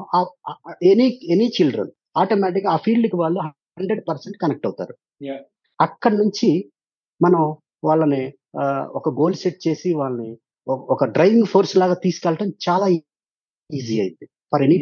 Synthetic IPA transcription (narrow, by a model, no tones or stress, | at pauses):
aenienit͡ʃilɖɾɐ̰n | aːʈomɛːʈ̬ikɡaːpʰiːɭɖukiʋaːɭːuɦ | ɳɖɾe̞ɖ̚pɐɾseɳʈ̚kɐnek̚ʈɐwt̪a̰ːɾu | ɐkːɐɽɐnuɲt͡ʃi | mɐnɐm | ʋaːɭːɐni | ɔkɐɡo̞ːlseʈ̚t͡ʃe̞ːsiʋaːɭːɐni | ɔkɐɖɾɐjʋiŋɡpʰo̞ːɾslaːɡaːt̪iːsu̥kɛlɐʈɐmt͡ʃaːlaː | iːziːɐjnd̪i | mɐɾeni